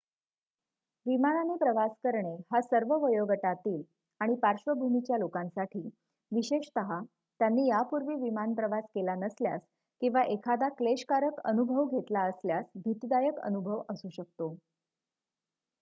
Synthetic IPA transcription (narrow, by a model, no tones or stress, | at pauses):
ʋimananepɾəʋaskəɾɳehasəɾʋəʋəjoɡəʈat̪iːl | aɽ̃ipaɾɕʋəbʱumit͡ɕjalokãnsaʈʰiː | ʋiɕeɕt̪əɦa | t̪janːiːjapuɾʋiːʋimanpɾəʋaskelanəslja̰s | kĩw̃ʋaʔekʰad̪akleɕkaɾəkə̰nubʱəʋɡʱet̪laəsljasbʱit̪d̪ajəkə̰nubʱəʋəsuɕək̚t̪o